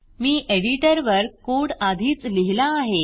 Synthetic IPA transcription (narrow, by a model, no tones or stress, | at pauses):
miːʔeɽiʈəɾʋəɾkoɽad̪ʱiːt͡sliɦilaːɦe